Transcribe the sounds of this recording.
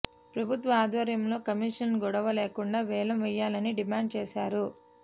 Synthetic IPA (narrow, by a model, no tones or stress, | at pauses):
pɾɐbʱut̪ʋɐaːd̪ʋɐɾjɐmlo̞ːkɐmiːʂɐnɡɔɽɐʋɐleːkuɳɖaːʋɛːlɐmʋɛjːaːlɐniɖimaːɳɖ̚t͡ʃeːsaːɾu